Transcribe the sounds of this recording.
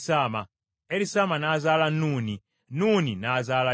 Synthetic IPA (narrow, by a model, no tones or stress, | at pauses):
saːma | ɛlisamanazalanuːni | nuninazala